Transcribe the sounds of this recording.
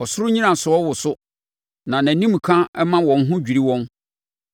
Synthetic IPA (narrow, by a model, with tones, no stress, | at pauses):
ɔ˨sʊ˦ɾʊ˦ɲĩ˦ɾã˨sʊ˨˦ɔ˦wʊ˨sʊ˦ | nã˨nã˨nĩ˦m̩˨kʰã˦ɛ˦mã˦wɔ̃˨n̩˦ɦʊ̃˦d͡ʑᶣi˨ɾi˦wɔ̃˦n